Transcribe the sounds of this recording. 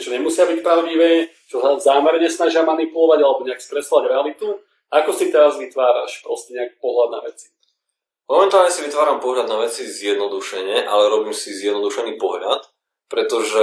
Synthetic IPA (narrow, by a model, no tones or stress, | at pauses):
t͡ʃɔɲɛmusɪabicpɾaʊɟiʋɛː | t͡ʃɔsazaːmɛɾɲɛsnaʒɪamanipulɔʋaɟalɛbɔɲɛaksk̪ɾɛsɔʋaɟɾɛalit̪u | akɔsit̪ɛɾazʋit̪ʋaːɾa̰ʃpɾɔscɛɲɛaki̥pɔɦlad̪na̰ʋɛt͡si̥ | mɔmɛnt̪aːlɲɛsiʋit̪ʋaːɾampɔɦlʎad̪naʋɛt͡sizjɛd̪nɔd̪uʃɛɲɛʔa̰lɛɾɔbiːmsizjɛd̪nɔd̪uʃɛniːpɔɦla̰t̪ | pɾɛt̪ɔʒɛ